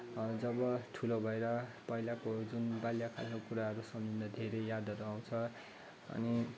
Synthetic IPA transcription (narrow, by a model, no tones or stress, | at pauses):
d͡zʌbʌʈʰulobʱʌeɾʌpʌilakod͡zunbaljakʰa̰lnokuɾaɦʌɾusʌmd͡zind̪ʌd̪ʱeɾejad̪ʱʌɾuaw̃t͡sʰʌ | ʌ̰ni